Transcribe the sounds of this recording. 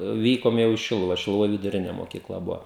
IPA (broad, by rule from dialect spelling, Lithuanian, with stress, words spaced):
ˈʋʲiːkoːm jɛʊ iː ˈʃʲɪlˠʊʋɐ ʃʲɪlˠʊˈʋoːj ʋʲɪdʊˈrʲɪnʲɛ moːkʲiːˈklˠɐ ˈbʊʋoː